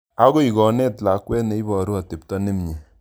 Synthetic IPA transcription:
a˦ɡo˦i˨ɡɔ˨ne˦tla˨kwɛ˦ne˨˦i˦bɔ˨ɾu˦a˨te˨p̚tɔ˦ne˦mɲe˨

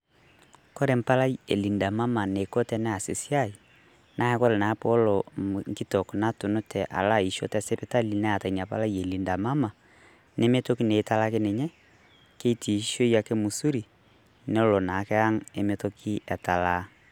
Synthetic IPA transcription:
kɔ˦ɾe˨m̩˨pa˦la˦ie˨li˨nda˨ma˦ma˨ne˨ko˦tɛ˦nɛ˦a˨se˨si˦a˦i˨ | na˦ɛ˦kɔ˦ɾe˨na˨˦pɔ˦lɔ˨ŋki˦tɔ˨kna˦to˨no˦tʰɛ˨ʔa̰˨la˦i˨ʃo̰˦tɛ˦˨se˦pe˦ta˦li˨nɛ˦a˨ta˨i˨ɲa˨pa̰˦la˦ji˨e˨li˨nda˨ma˦ma˨ | ne˦me˦to˦ki˦neː˨˦ta˦la˦ke˦ne˨ɲɛ˦ | ke˦i˦tʰi˨ʃo˦ija˨ke˦mu˨su˦ɾi˨ | nɛ˦o˦lɔ˨na˨kɛ˦a˦ŋe˦me˦to˦kʰi˦ɛ˨ta˨la˦

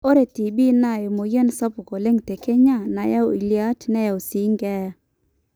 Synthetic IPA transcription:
o˦ɾe˨ti˨bi˦na˨jo˨mo˨je˦nsa˦pu˨ko˨le˦ŋte˨ke˦ɲa˦˨na˨ja˦o̰˨i˨lja˦tnɛ˦ja˨o˨si˨˦ŋɡɛ˦

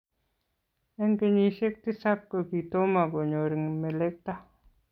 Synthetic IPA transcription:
ɛ˦ŋke˨ɲi˨ʃe˦k̚t̪i˦sa˦kːo˨ki˨to˦ma˨ko˨ɲo˨ɾi˨ŋme˨le˦k̚t̪a˦

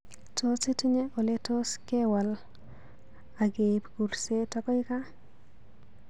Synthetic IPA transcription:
to˦si˦ti˦ɲe˦ʔo˨le˦to˦ske˦wa˨l | a˨ɡe˨pɡu˨ɾse˦tɔ˦kɔ˦ɪ˦ka˦

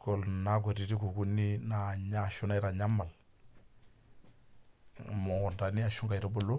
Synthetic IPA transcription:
ko˨lna˦k̬o˨ti˨di˦ku˨ku˦ni˦na˨ɲa˦˨ʃu˦na˦ɪ˦ɾa˨ɲa˦mːa˨l | mɔ˨da˨ni˦a˨ʃu˦ŋka˨i˨ɾo˨bʊ˦lːʊ˦

